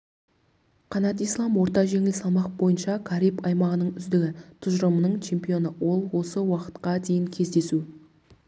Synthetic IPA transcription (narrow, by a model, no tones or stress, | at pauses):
qʰɑnɑt̪ijslˠɑmwo̞ɾt̪ɑʒe̞ŋɪlsɑlˠmɑq̚bo̞jənʃɑkʲʰɑɾijpɑjmɑʁənəɴʏzd̪ɪɡʲɪt̪ʰʊʒɾəmənəɴt͡ʃʰe̞mpijo̞nəwo̞lˠwo̞səwɑqə̥t̪qɑd̪e̞jɪŋkʲʰe̞zd̪e̞su